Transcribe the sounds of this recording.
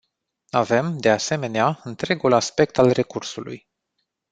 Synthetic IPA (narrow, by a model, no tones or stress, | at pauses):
ave̞md̪e̞ase̞me̞neaɨnt̪ɾe̞ɡulaspe̞k̚t̪alre̞kursulṵj